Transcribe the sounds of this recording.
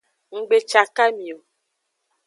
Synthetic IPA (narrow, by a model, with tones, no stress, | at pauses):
ŋ̩˨ɡ͡be˨t͡ʃa˨ka˦mĩ˨o˨